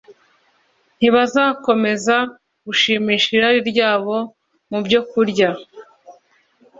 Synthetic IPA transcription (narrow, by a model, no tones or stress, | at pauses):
n̥iβazaːko̞me̞za | ɡ̥uʃiːmiːʃiɾaɾiɾɟaːβo̞ | mubɟo̞kuɾɟa